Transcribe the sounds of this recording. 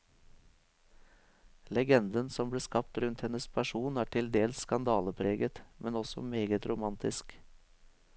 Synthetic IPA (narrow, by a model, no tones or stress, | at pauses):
lɛɡɛnd̪ənsɔmb̪iːskɑpt̪ɾʉnt̪hɛnəspʰæʂuːnæːʈʰɪld̪eːlsskɑnd̪ɑːləpʰɾeːɡət̪mʔɛnɔsɔ̰meːɡət̪ɾʊmɑnt̪ɪsk